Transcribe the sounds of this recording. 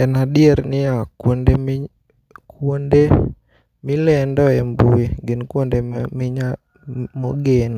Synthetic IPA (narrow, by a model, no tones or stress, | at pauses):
ɛnadɪeɾnɪakwondem | kwonde | mɪlɛndɔɛmbuiɡɪnkwondemɪɲa | moɡen